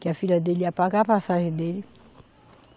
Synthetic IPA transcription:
kɪafilɐd̪eliapaɡapasaʒẽd̪elɪ

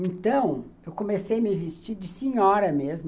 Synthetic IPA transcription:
ẽnt̪ɐ̃w̃ewkomesejɐmɪvist͡ʃiɾd͡ʒɪsẽɲɔɾɐmezm

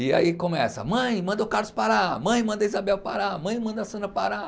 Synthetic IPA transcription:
ɪa̰ikõmɛsɐ̰mɐ̃j̃mɐ̃nd̪ɐʊkaɾlʊspaɾamɐ̃j̃mɐ̃nd̪ɐizabɛwpaɾamɐ̃j̃mɐ̃nd̪ɐsɐ̃nɐpaɾa

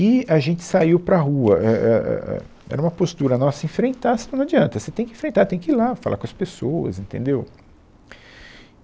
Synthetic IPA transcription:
ɪaʒẽnt͡ʃɪ̥saiwpɾɐɦuɐʔɛɛɛ̰ɛ̰ | ɛ̰ɾɐũmɐpost̪uɾɐnɔsɐẽfɾẽnt̪asɪñɐd͡ʒiɐ̃nt̪ɐset̪ẽj̃kɪẽfɾẽnt̪aɾt̪ẽj̃kɪilafala̰ɾkõɐspesoɐ̰zẽnt̪ẽnd̪ew

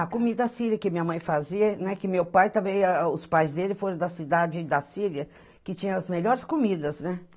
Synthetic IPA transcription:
ɐkomid̪ɐɐsiɾiɐkɪmĩɲɐmɐ̃j̃faziɐnɛkɪmewpajt̪ɐ̃bẽj̃ɐʊspajzd̪elɪfoɾɐ̃d̪ɐsid̪ad͡ʒɪd̪ɐsiɾiɐ | kɪt͡ʃĩɲɐ̃ɐzmeʎɔɾɪskomid̪ɐznɛ

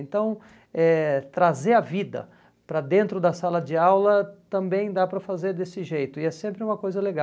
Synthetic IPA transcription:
ẽnt̪ɐ̃w̃ | ɛt̪ɾazeɐvid̪ɐ̰ | pɾɐd̪ẽnt̪ɾʊd̪ɐsalɐd͡ʒɪawlɐt̪ɐ̃mbẽj̃d̪apɾɐfazeɾd̪esɪʒejt̪ʊɪɛsẽmpɾɪũmɐkojzɐleɡa

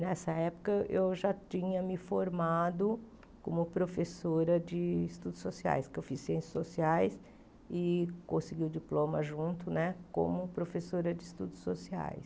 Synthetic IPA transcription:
nɛsɐɛpʊ̥kɐewʒat͡ʃĩɲɐmɪfoɾmad̪ʊ | kõmʊpɾofesoɾɐd͡ʒɪːst̪ud̪ʊsosia̰jskɪewfisːiẽsɐ̥sosiajs | ɪkõsɪɡiʊd͡ʒiplõmɐʒũnt̪ʊnɛkõ̰mʊpɾofesoɾɐd͡ʒɪːst̪ud̪ʊsːosia̰js

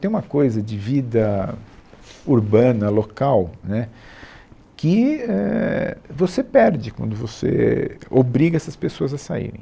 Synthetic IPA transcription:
t̪ẽj̃ũmɐkojzɐd͡ʒɪvid̪ɐ | uɾbɐ̃nɐlokawnɛ | kɪɛ | vosepɛɾd͡ʒɪkwɐ̰̃nd̪ʊvosḛobɾiɡɐɛsɐspesoɐzɐsaḭɾḛ̃j̃

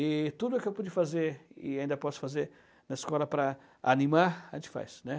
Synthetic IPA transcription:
ɪt̪ud̪ʊʊkɪewpud͡ʒɪfazeɾɪ̰aĩnd̪ɐpɔsʊ̥fazeɾ | nɐɪskɔlɐpɾɐ | anĩmaɾɐʒẽt͡ʃɪ̥fa̰jsnɛ

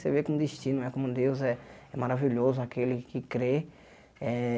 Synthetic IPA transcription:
sevekõm̃d̪iʃt͡ʃĩnʊɛkõmʊd̪ewzɛɛmaɾaviʎozʊakelɪkɪkɾe | ɛ

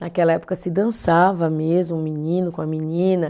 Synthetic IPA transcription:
nakɛlɐɛpo̥kɐsɪd̪ɐ̃savɐmezmʊũminĩnʊkõɐminĩnɐ

